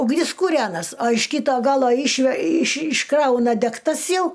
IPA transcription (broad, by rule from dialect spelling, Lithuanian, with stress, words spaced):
ʊɡˈnʲɪs kuːˈrʲæːnɐs ɐ ɪʃ ˈkʲiːtoː ˈɡɑːlˠoː ˈɪʃʲʋʲɛ ɪʃ ɪʃˈkrɐʊnɐ dʲɛkˈtɐs ˈjɛʊ